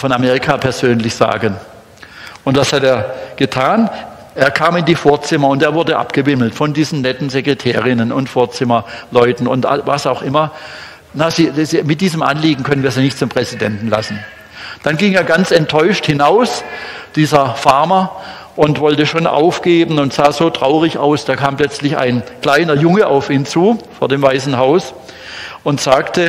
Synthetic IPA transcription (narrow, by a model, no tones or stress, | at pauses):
fɔnameːʁɪkʰaːpʰɛɐzøːnlɪçz̥a̰ːɡən | ʔʊntv̥ashateːɐɡ̥ətʰaːn | ʔeːɐkʰaːmɪndiːfoːɐt͡sɪmɐʊnteːɐvʊɐdəʔa̰pɡ̥əvɪml̩tfɔndiːzn̩nɛtn̩zeɡʁ̥etʰɛːʁɪnənʊntfoːɐt͡sɪmɐlɔʏtn̩ʊnta̰vasaʊxʔɪmɐ | naz̥iːzmɪt̚d̥iːzəmʔa̰nliːɡŋ̩kʰœnənviːɐziːnɪçtt͡sʊmpʁ̥ɛzɪdɛntn̩la̰sn̩ | d̥anɡɪŋeːɐɡant͡sɛntʰːɔʏʃthɪnaʊsd̥iːzɐfaɐmɐ | ʔʊntv̥ɔltəʃoːnʔa̰ʊfɡ̥eːbn̩ʊntz̥aːzoːtʁ̥aʊʁɪça̰ʊsd̥aːkʰaːmpl̥œt͡slɪça̰ɪnkl̥aɪnɐjʊŋəʔaʊfiːnt͡suːfoːɐdeːmvaɪsn̩ɦaʊs | ʔʊntz̥aːktʰə